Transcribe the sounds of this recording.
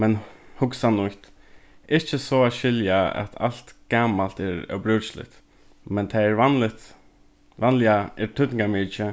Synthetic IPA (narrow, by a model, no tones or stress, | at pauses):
mɛnhʊksanʊht̪ɪht͡ʃːəsɔaʃɪljaa̰t̪ʰa̰l̥t̪ɡ̥aːmalt̪ɛɾœ̰wbɾʏːt͡ʃlɪ̰t̪ | mɛnt̪ʰaɛɾʋanlɪt̪ | ʋanlɪaɛɾt̪ʰʏt̪nɪŋɡamɪt͡ʃə